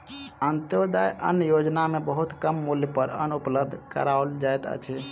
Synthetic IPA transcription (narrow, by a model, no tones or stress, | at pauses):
ənt̪jod̪ajʔə̰nəjod͡ʒnamebəɦut̪kəmːuljəpəɾə̰nupləb̚d̪ʱkə̰ɾaold͡ʒaet̪ə̰t͡ʃʰɛ